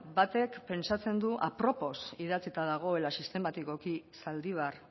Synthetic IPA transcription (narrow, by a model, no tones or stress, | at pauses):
bat̪e̞kpe̞nsat͡se̞nd̪uʔa̰pɾo̞po̞siðat͡sit̪aðaɣ̞o̞e̞lasist̪e̞mat̪iko̞kisald̪iβ̞ar